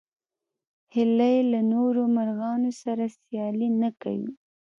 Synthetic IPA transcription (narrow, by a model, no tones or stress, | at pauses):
hɪlajelanoɾomaɾɣɑnosaɾasjɑlinaka̰wḭ